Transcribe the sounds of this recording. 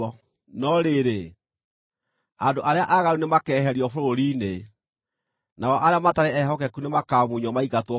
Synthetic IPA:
ɔ | nɔɾeɾe | adoʔaɾeaʔaɣaɾunemakɛːɦɛɾiɔfoɾoɾiːne | naɔʔaɾeamataɾɛɛɦɔkɛkunemakaːmuɲɔmaiɣatwɔ

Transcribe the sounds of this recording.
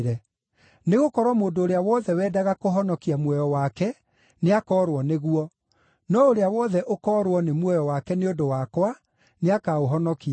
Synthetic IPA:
ɾɛ | neɣokɔɾwɔmoːndoːɾeawɔðɛwɛːdaɣakoɦɔnɔkiamwɛjɔwakɛ | neakɔːɾwɔneɣuɔ | nɔoɾeawɔðɛʔokɔːɾwɔnemwɛjɔwakɛneondowakwa | neakaoɦɔnɔkia

